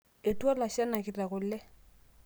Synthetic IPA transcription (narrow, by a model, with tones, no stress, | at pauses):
e˨twa˦la˨ʃa˦na˨kɪ˨ta˨kʊ˨lːɛ˦